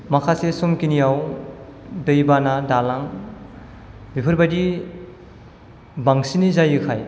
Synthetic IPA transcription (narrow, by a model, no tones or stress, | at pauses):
makʰasesomkinijaw | dɯjbanadalaŋ | bipʰɯɾbadi | baŋsinizajɯkʰaj